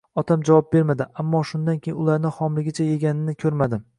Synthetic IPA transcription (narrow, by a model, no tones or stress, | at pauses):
ɒt̪ʰamd͡ʒavɒp̚be̞ɾmad̪ɪʔamːɒʃʊnd̪ankʲʰejɪʊlˠaɾnɪhɒmlɪɡʲɪt͡ʃʰaje̞ɡʲanɪnɪkʲʰɵɾmad̪ɪ